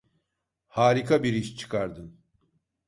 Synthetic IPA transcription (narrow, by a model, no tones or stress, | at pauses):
haːɾikʰabiɾiʃt͡ʃʰɯ̥kʰaɾd̪ɯn